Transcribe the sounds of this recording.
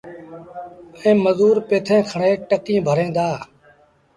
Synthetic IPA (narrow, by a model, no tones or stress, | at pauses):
ẽːməzuːɾpeːt̪ʰẽːkʰəɳeːʈəkĩːbʱəɾẽːd̪aː